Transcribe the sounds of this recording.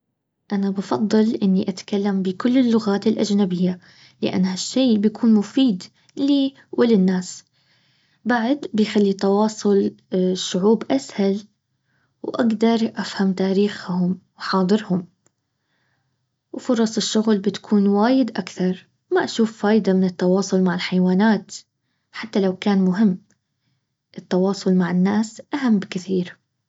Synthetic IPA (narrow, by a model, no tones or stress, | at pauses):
ʔanabɑfɑðˤːɨlʔɪnːiʔat̪kalːambɪkʊlːɪlːʊɣaːt̪ɪlʔad͡ʒnabɪjːa | lɪ̰ʔa̰nːhaʃːiːbɪjakʰuːnmʊfiːd̪ | liː | wʔɪlɪnːaːs | baʕd̪bɪjxalːit̪ɑwɑːsˤʊlʃːʊʕuːbʔashal | wʔaɡd̪ɑɾˤʔafhamt̪aːɾiːxhʊmwħɑːd̪ˤɨɾhʊm | wfʊɾˤɑsˤɪʃːʊɣlbɪt̪kʰuːnwaːjɪd̪ʔakθɑɾˤ | maʔaʃuːfːaːjd̪amɪnɪt̪ːɑwɑːsˤʊlmaʕɪlħajwaːnaːt̪ | ħat̪ːalawkaːnmʊɦɪmː | ʔɪt̪ːɑwɑːsˤʊlmaʕɪnːaːsʔaɦamːbkɪθiːɾ